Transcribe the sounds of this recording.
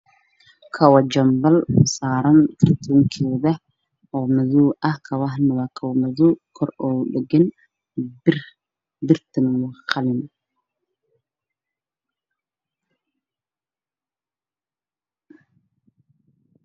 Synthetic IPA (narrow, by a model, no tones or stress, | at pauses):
kʰɐwɐd͡ʒɐmbɐlsaːɾɐnkʰɐrt̪ʰuːŋkʰɛːðɐ | ɔːmɐðuːɐhkʰɐwɑɦnɐwaːkʰɐwmɐðuːkʰɔrɔːɗɛɡɛn | bɪrt̪ʰɐnwɑqɑlɪn